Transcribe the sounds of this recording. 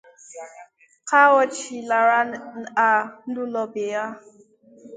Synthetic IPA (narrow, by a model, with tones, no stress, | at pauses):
ka˦wɔ˦t͡ʃi˨la˨ɾa˦˨a˨n̩˦du˦lɔ˨be˨ja˦